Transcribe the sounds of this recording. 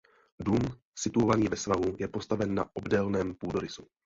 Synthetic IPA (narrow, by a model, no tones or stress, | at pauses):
dum | sɪt̪uovaniːvɛsvaɦujɛpo̞st̪avɛnːa̰ʔo̞bdɛlnɛːmpuːdoɾɪsu̥